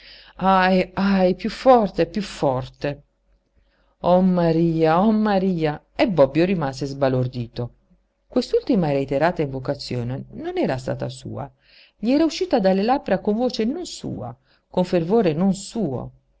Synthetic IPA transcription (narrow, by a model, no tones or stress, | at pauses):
ajajpjufːɔrt̪epjufːɔrt̪e | ɔmaɾiːaɔmːaɾiːa | ɛbːɔbːjoɾimaːsezbalord̪iːt̪o | kwest̪ult̪imaɾeit̪eɾaːt̪aiɱvokat̪sːjoːnenonɛːɾast̪a̰ːt̪asṵːa̰ | ʎiɛːɾauʃːiːt̪ad̪alːelabɾakoɱvoːt͡ʃenonsṵːa̰ | koɱfervoːɾenonsuːo̰